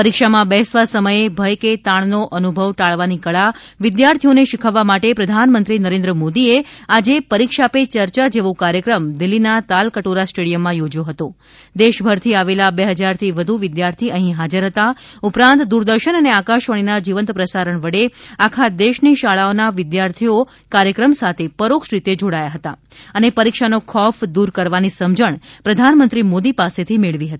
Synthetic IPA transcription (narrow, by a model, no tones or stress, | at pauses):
pəɾikʃamãbɛɦsʋasəməjebʱəjket̪aɳ̃noʔənubʱəʋʈaɭʋanikəɭa | ʋɪd̪jaɾt̪ʰijoneʃɪkʰəʋːamaʈepɾəd̪ʱanmənt̪ɾinəɾẽnd̪ɾəmod̪iead͡ʒepəɾikʃapet͡ʃəɾt͡ʃad͡ʒeʋokaɾjəkɾəmd̪ɪlːinat̪alkəʈoɾasʈeɽijəmːãjod͡ʒjoɦət̪o | d̪eʃbʱəɾt̪ʰiaʋelabeɦəd͡ʒaɾt̪ʰiʋəd̪ʱuʋɪd̪jaɾt̪ʰiəɦĩɦad͡ʒəɾɦət̪aupɾãnt̪d̪uɾd̪əɾʃənəneakaʃʋəɽ̃inad͡ʒiʋə̃nt̪pɾəsaɾəɳʋəɽeakʰad̪eʃniʃaɭaonaʋɪd̪jaɾt̪ʰio | kaɾjəkɾəmsat̪ʰepəɾokʃɾit̪ed͡ʒoɽajaɦət̪a̰ | ənepəɾikʃanokʰɔfd̪uɾkəɾʋanisəmd͡ʒəɳpɾəd̪ʱanmənt̪ɾimod̪ipaset̪ʰimeɭʋiɦət̪i